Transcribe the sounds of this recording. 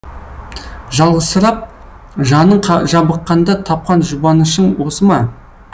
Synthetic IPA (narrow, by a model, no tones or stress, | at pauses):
ʒɑlˠʁəzsəɾɑp̚ | ʒɑnəɴqʰʒɑbəqːɑnd̪ɑt̪ʰɑp̚qɑnʒʊbɑnəʃəɴwo̞səmɑ